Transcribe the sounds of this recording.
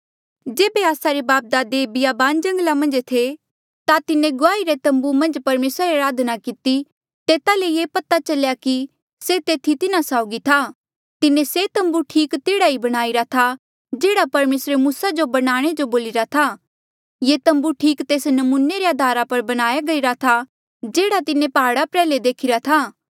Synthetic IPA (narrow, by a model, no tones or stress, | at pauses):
d͡ʒeːbeaːsaɾebaːp̚d̪aːd̪ebɪjaːbaːnd͡ʒɐ̃ŋɡlamɐ̃nd͡ʒt̪ʰe | t̪at̪ɪnẽɡʊaːiɾet̪ɐ̃mbumɐ̃nd͡ʒpɐɾmeːsɾaɾeɐɾaːd̪ʱnakɪt̪i | t̪eːt̪alejeːpɐt̪at͡ʃɐljaki | set̪eːt̪ʰit̪ɪnasaːʊɡit̪ʰa | t̪ɪnẽset̪ɐ̃mbuʈʰiːkt̪eːɽaibɐɽ̃aːiɾat̪ʰa | d͡ʒeːɽapɐɾmeːsɾemuːsad͡ʒobɐɽ̃aːɽ̃ed͡ʒoboːlɪɾat̪ʰa | jeːt̪ɐ̃mbuʈʰiːkt̪eːsnɐmuːneɾeɐd̪ʱaːɾapɐɾbɐɽ̃aːjaɡɐiɾat̪ʰa | d͡ʒeːɽat̪ɪnẽpɐɦaːɽapɾɛːled̪eːkʰɪɾat̪ʰaː